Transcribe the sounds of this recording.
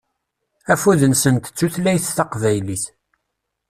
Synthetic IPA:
æfuðənsənt̪ə̥t͡sːuθlæjθθɑqvæjliθ

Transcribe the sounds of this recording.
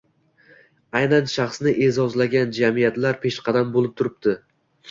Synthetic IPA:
ajnanʃɑχsnɪʔezɒzlaɡʲand͡ʒamijat̪laɾpʰe̞ʃqʰɑd̪ambolˠɪp̚t̪ʰʊɾɪp̚d̪ɪ

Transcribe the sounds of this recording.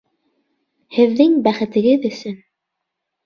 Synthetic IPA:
hɘ̆ðːɘŋbæχɘ̆t̪ɘ̆ɡɘðɵ̆sɵn

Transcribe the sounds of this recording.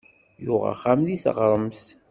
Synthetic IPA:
jʊʁa̰χamðiθə̰ʁɾˤəms

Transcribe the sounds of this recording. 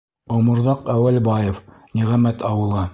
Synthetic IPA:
owmɤ̆ɾðɑqæwælbɑjɤ̆fniʁæmæt̪ʰɑwɤ̆lˠɤ

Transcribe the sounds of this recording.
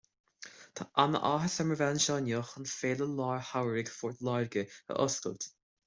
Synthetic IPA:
t̪ʰaʔanə̰ʔaːɦəsɛməvɛnʃɔːnjoːxənfeːləlɑːɹhawəɾɪɡfɔːɹt̪laːɹɡəə̰ʔɔskə̰lt̪

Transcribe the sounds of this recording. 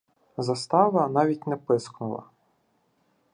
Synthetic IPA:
zɐst̪ɑʋɐnɑʋʲitʲnɛpɪsknʊlˠɐ̰

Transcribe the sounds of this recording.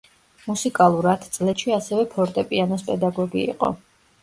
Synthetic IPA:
musikʼalˠuɾat̪ʰt̪sʼlɛʃʰiasɛvɛpʰɔɾt̪ʼɛpʼianɔspʼɛd̪aɡɔɡiḭqʼɔ̰

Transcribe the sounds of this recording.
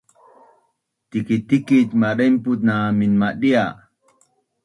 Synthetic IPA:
t̪ikit̪ːikit̪maɗemput̪̚naːminmaɗia

